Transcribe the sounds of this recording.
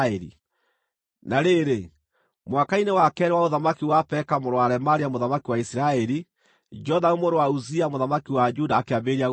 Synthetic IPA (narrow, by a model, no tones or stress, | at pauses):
ɛɾḭ | naɾeɾe | mwakainewakɛɾɛwaoðamakiwapɛkamoɾowaɾɛmaɾiamoðamakiwaisiɾaɛɾi | d͡ʒɔðaomoɾowauziamoðamakiwad͡ʒudaːkeabeɾia